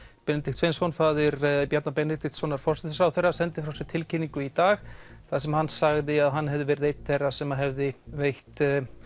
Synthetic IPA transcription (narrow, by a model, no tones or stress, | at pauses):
pɛnɪt̪ɪt̪sfejnsfɔnfaːðɪɾpjaɾt̪napɛnːɪt̪ɪxt̪sfɔwnːaɾfɔr̥sɪθʏ̥sawθejrːasɛnt̪ɪfɾawsɛɾt̪ʰɪlcɪniŋkʏit̪aːxθaðsɛmahansaɣðɪaðɦanːhɛvðɪvɛːɾɪðejt̪θerːasɛmaɦɛvðɪvejht̪